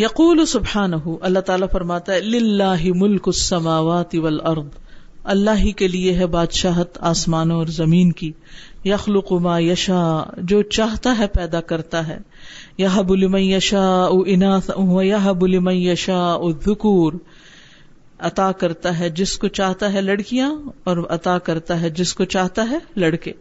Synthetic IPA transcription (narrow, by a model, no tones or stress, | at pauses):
jɐquːlʊsʊbħaːnɐɦʊʔɐlːat̪aːlafɐɾmaːt̪aɦɛlɪlːaːɦɪmʊlkʊsːɐmaːʋaːt̪ɪʋɐlʔɐɾd̪ˤɐlːaːɦikelieɦɛbaːd̪ʃaːɦt̪aːsmaːnõɔːɾzɐmiːnki | jɐxlʊqʊmaːjɐʃaːd͡ʒoːt͡ʃaːɦt̪aɦɛpɛːd̪akɐɾt̪aɦɛ̰ː | jɐɦɐbʊlɪmɐ̃njɐʃaːʊɪnaːɦɐjɐɦbʊlɪmɐ̃njɐʃaːʔʊðːʊkuːɾ | ɐt̪aːkɐɾt̪aɦɛd͡ʒɪskot͡ʃaːɦt̪aɦɛlɐɽkijãɔːɾɐt̪aːkɐɾt̪aɦɛd͡ʒɪskot͡ʃaːɦt̪aɦɛlɐɽkeː